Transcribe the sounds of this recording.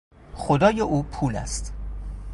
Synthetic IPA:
xod̪ɒːjeʔuːpʰuːlæ̰st̪

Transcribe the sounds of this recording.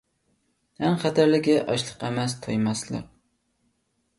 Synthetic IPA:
hæŋχæt̪æɾlɪɡʲɛʔɑʃlˠəqæmɛs̬t̪ʰojmɑslˠɨ̰q̚

